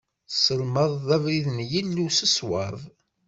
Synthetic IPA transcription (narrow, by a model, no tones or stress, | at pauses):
səlməðˤːævɾiðənjilːusəswɑðˤ